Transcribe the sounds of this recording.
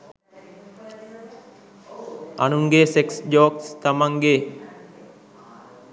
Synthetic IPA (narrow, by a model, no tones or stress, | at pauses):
a̰nuŋɡeseksd͡ʒoːkst̪amaŋɡe